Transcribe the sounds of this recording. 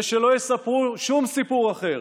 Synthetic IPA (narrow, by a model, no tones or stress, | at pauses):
ʃelo̞jesapʁuʃumsipuʁaχe̞ʁ